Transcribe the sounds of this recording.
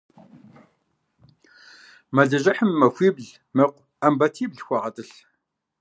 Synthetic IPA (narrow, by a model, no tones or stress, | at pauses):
mɐɮɐʒɐħəmːɐxʷiːbɮ | mɐqʷ | ɐmbɐtʰiːbɮxʷɐʁɐtʼɨɬ